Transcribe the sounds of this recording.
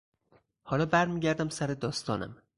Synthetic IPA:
hɒːlɒːbæɾmiːɟæɾd̪æmsæɾed̪ɒːst̪ɒ̰ːnæ̰m

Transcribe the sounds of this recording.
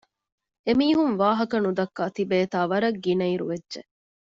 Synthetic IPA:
emiːɦuŋʋaːɦɐkɐnud̪ɐkːaːt̪ibeːt̪aːʋɐɾɐɡːinɐiɾṵʋedːʒḛ

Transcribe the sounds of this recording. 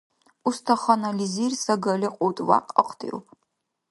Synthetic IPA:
ustʰɐχɐnɐlizirsɐɡɐlʲɪqʷʼowtʼwa̰qʼə̰qʰʼtʰʼḭwpʰʼ

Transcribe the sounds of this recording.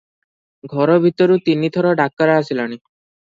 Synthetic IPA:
ɡʱɔɾɔbʱit̪ɔɾut̪init̪ʰɔɾɔɖakːaɾaasilaɽ̃i

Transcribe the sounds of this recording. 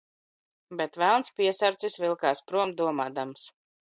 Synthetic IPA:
bɛt̪vælˠnspiɛsaɾt̪sisvilˠkaːspɾuɔmd̪uɔmaːd̪ams

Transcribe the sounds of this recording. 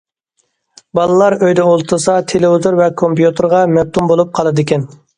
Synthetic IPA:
bɑlˠɨlˠɑɾøjd̪ɛolˠt̪ʰɨɾsɑt̪ʰeleuzoɾvɛkʰompjut̪ʰɨɾʁɑmɛp̚t̪ʰumbolˠup̚qʰɑlˠɨd̪ɪkʲɛn

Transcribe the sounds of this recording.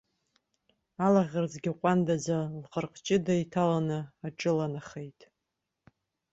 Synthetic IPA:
alaʁʲard͡zɡʲɪqʷʼandazalqʼərqʼt͡ʃʼɪdajtʰalanɨaʈ͡ʂʼɨlanaχejtʼ

